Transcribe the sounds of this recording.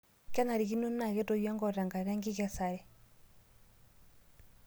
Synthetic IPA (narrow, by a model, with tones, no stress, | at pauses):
ka˦na˨ɾi˨ki˦no˦n˦na˨kɛ˦to˨jja˦ŋɡɔ˦˨ɾa˨ŋɡa˨ɾa˦ŋɡi˦ka˦sa˨ɾɛ˨